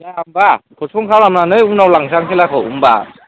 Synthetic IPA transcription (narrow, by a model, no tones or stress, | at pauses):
jaambakʰɔspʰɔŋkʰawɾamnanɯjunawlaŋsaŋkʰelakʰɯwṵmba̰